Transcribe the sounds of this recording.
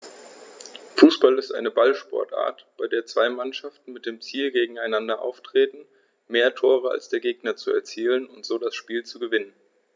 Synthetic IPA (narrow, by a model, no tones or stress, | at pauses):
fuːsb̥alɪstʔa̰ɪnəbalʃpɔ̰ɐtʔa̰ːɐtb̥aɪdeːɐt͡sv̥aɪmanʃaftn̩mɪt̚d̥eːmt͡siːlɡeːɡŋ̩aɪnandɐʔa̰ʊftʁ̥eːtn̩ | meːɐtʰoːʁ̞əa̰lsd̥eːɐɡeːɡnɐt͡suɛ̰ɐt͡siːlənʊntz̥oːdasʃpiːlt͡suɡəvɪnən